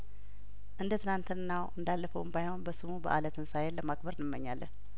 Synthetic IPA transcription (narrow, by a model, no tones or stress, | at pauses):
ʔɨnd̪ət̪ʰɨnant̪ʰɨnɨnːawɨnd̪alːəfəwmbajho̞nbəsɨmubə̰ʔalət̪ʰɨnsajelːəmaɡbəɾnɨmːəɲːalːə̰n